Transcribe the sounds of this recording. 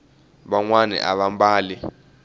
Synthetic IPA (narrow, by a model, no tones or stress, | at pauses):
ɓaŋwanɛ̰ʔa̰ɓambaːli